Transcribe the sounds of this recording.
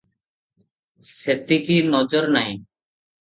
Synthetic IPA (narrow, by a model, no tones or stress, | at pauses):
ʃet̪ikinɔd͡ʑoɾnaj